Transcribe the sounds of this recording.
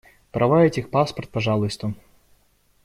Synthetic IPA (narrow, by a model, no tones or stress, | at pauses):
pɾʔɐvajɛtʲixpaspɐrt̪̚paʐalˠɨst̪u